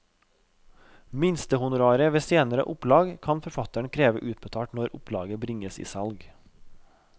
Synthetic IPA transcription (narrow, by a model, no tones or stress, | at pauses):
mɪnst̪əhʊnʊɾɑːɾəʋeːseːnəɾə̰ʔʊplɑːɡkʰɑnfɔɾfɑt̪əɳkʰɾeːʋəʔʉːt̪̚bət̪ʰɑːʈnɔɾʊpʰlɑːɡəbɾɪŋəsḭːsɑlɡ